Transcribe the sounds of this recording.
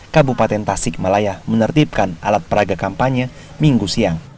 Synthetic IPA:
kabupat̪ɛnt̪asɪk̚malajahmənərt̪ip̚kanʔa̰lat̪̚pəɾaɡakampaɲə | miŋɡusiaŋ

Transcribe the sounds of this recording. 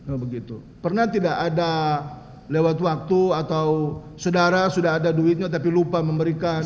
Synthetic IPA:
obəɡit̪u | pərnat̪idakada | lewat̪wak̚t̪uat̪awsodaɾasudaɦːdaduɪt̪̚ɲat̪apilupaməmbəɾika

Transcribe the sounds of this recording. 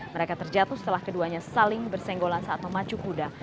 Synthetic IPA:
məɾekat̪ərd͡ʒat̪usə̥t̪əlahkəduaɲasalɪŋbərsɛŋɡolansaʔat̪̚məmat͡ʃukuda

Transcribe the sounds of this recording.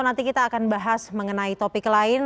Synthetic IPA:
nant̪ikit̪aːkanbaɦasməŋənait̪opɪklaɪn

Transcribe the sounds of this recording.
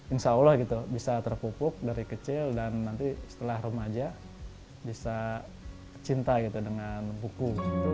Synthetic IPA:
ɪnsaulahɡit̪ubisat̪ərpupʊk̚daɾikət͡ʃɪldanːant̪isə̥t̪əlahrumad͡ʒa | bisa | t͡ʃint̪aɡit̪udəŋanbuku

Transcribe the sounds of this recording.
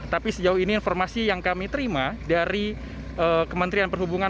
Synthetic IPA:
t̪apisəd͡ʒauhiniːnformasijaŋkamit̪əɾimadaɾi | ʔəkəmənt̪ɾianpərhubuŋa

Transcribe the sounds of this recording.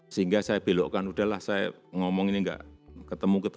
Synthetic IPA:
siŋɡasaeb̥e̤loʔkanuɖ̥a̤lahsaḛŋɔmɔŋiniŋɡa̰ʔkət̪əmukət̪

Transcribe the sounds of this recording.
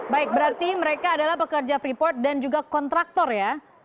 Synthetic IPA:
baɪk̚bəɾart̪iməɾekaːdalahpəkərd͡ʒafɾipɔrt̪̚dand͡ʒuɡakɔnt̪ɾak̚t̪ɔrja

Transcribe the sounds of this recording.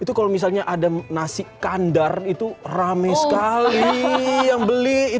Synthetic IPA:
it̪ukalomisalɲaʔadanasɪkandarit̪uramajsə̥kalijaŋbəlii

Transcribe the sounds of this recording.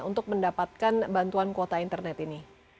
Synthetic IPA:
ṵnt̪ʊk̚məndapat̪̚kanbant̪uankot̪aint̪ərnɛt̪ini

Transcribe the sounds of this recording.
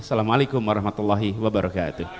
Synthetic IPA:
salamʔalekʊmwaɾˤɑhmat̪ulˤːaɦiwabaɾɑka̰ːt̪ʊh

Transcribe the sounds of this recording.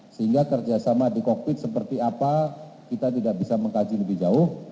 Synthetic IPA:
səhiŋɡakərd͡ʒasamadikok̚pɪt̪̚səpərt̪iapakit̪at̪idaʔbisaməŋkad͡ʒiləbɪhd͡ʒaʊh

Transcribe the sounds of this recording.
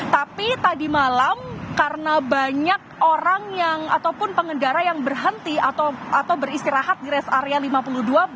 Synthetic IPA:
t̪apit̪adimalamkarənabaɲak̚oɾaŋjaŋat̪awpʊnpəŋəndaɾajaŋbərɦənt̪iat̪aat̪awbəɾist̪iɾaɦat̪̚diɾɛsaɾealimapuluhdua

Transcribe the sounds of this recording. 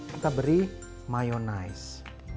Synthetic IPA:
it̪abəɾi | majonais

